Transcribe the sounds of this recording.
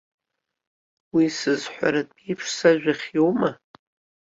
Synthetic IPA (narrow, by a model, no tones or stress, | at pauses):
wisɨzħʷa̰ɾatʼejpʰʂsaʒᶣaχʲjowma